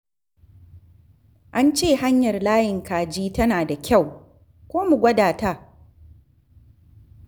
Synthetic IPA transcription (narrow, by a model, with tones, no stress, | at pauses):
ʔa˦nt͡ʃeː˦˨ha˦ɲjɐ˨rlaː˦jɪ˨ŋkaː˨d͡ʒiː˦tɐ˦naː˨da˨kʲa˦˨w | kʷoː˦mu˨ɡʷɐ˦daː˨ta˦˨